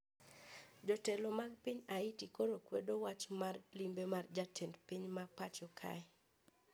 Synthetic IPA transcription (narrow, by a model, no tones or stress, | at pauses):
d͡ʒɔtɛlomaɡpiɲaitikoɾokwḛdowat͡ʃmarlimbemard͡ʒatʰɛndpiɲmapat͡ʃɔkʰa̰ɛ